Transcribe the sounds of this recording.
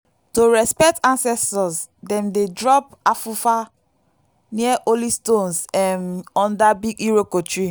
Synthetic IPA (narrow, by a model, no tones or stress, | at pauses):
toɹɛspɛk̚tãnsɛstɔsdɛ̃mdedɹɔp̚afufa | niaʔolistõnsɛmɔ̃ndabiɡiɹokotɹi